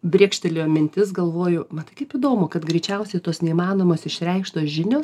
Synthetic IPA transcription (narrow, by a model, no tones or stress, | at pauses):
bʲɾʲeːkʃʲt̪ʲɛlʲomʲɪnʲt̪ʲɪsɡɐlˠʋoːjʊmɐt̪ɐɪkɐɪpiːd̪oːmokɐt̪ɡɾʲɛɪt͡ʃʲɛʊsʲɛɪt̪oːsnʲɛimɑːnoːmoːsɪʃʲɾʲɛɪkʃt̪oːsʒʲɪnʲoːs